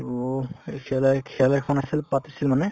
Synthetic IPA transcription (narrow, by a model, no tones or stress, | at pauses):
okʰɛlakʰɛlakʰɔnasilpat̪esilmane